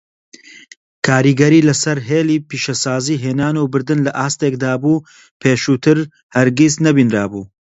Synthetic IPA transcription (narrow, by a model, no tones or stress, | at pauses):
kʰaːɾiːɡɐɾiːlɐsɐɾɦeːliːpiːʃɐsaːziːɦeːnaːnubɨɾd̪ɨnlɐʔaːst̪eːkd̪aːbuː | pʰeːʃuːt̪ʰɨɾ | hɐɾɡiznɐbinɾaːbuː